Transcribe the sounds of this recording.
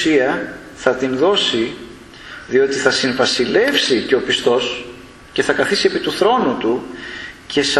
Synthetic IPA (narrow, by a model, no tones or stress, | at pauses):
iɐ | θɐt̪inðo̞si | ðio̞t̪iθɐsiɱvɐsile̞fsice̞opist̪o̞s | ce̞θɐkɐθisie̞pit̪uθɾo̞nut̪u | cʰe̞s